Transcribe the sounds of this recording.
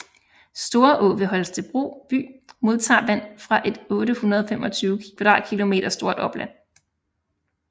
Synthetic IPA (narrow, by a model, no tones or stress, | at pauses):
sd̥o̝ːɐʔɔ̽ːʋe̝ɦɒ̽lst͡sʰe̝lb̥ʁo̝̰ːb̥y̰ːmo̝ð̞ˠt͡sʰɑ̰̈ːʋæn̰fʁɑ̈ʔe̝d̥ɔ̽ːɾəhunɐðˠɒfem̰ɒ̽t͡sʰyːʊkʰʋd̥ɑ̈ːkʰilo̝me̝̰ːɾɐsd̥o̝ɐ̰d̥ɒ̽b̥læn̰